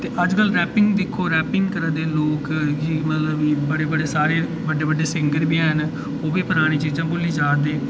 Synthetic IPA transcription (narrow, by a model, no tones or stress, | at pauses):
t̪eːʔəd͡ʒkəlɾɛːpɪŋɡd̪ɪkʰoːɾɛːpɪ̃ŋɡkəɾãːd̪eːloːkd͡ʒiːmət̪ləbbəɽeːbəɽeːsaːɾeː | ʋəɖeːʋəɖeːsɪŋɡəɾbiːɦən | oːbiːpəɾaːɽ̃iːt͡ʃiːd͡ʒãːboliːd͡ʒaːd̪eː